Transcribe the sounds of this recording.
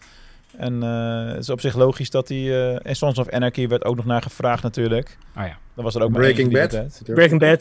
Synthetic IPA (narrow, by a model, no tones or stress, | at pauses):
ɛn̰tɪsɔpsɪχloːχisdɔtiɛnsɔnsɔfɛnɛkiʋɛɹto̰wknɔχnaːχəfraːχtnatyːɹlək | dɔnʋɔsəɾowkmaɹekɪŋɛtɛbɹekɪŋbɛt